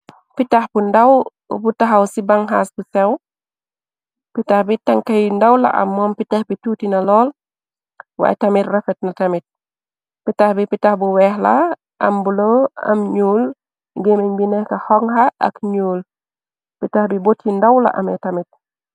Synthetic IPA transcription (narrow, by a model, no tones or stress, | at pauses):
pitaxbundɐw | butaɦawsibaŋɦaːsbusɛw | pitahbitɐŋkɐjndɐwlɐ̰ʔɐ̰mːɔmpitahbituːtinɐlɔːl | wa̰ːjtɐmitrɛfɛt̚nɐtɐmit̚ | pitahbipitahbuwɛːhla | ʔɐ̰mbuloɐ̰mɲuːl | ɡemiɲbinɛhkɐhɔŋhaɐ̰kɲuːl | pitahbibotːindawlɐ̰ʔɐmɛtɐmit̚